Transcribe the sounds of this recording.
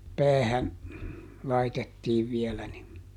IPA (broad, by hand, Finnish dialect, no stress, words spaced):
pæːhæn lɑitetːiːʋ ʋielæ nin